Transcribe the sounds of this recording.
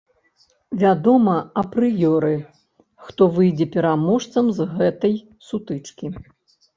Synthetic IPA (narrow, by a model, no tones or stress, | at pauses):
vʲad̪ɔmɐɐpɾɨjɔɾɨ | xt̪ɔvɨjd͡zʲɛpʲɛɾamɔʂt̪sɐmzɣɛt̪ɐj | sut̪ɨt͡ʂkʲi